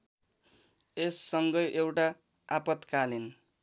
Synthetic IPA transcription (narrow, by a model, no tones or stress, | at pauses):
esːʌŋɡʌjʔewʈa | apʌt̪kalin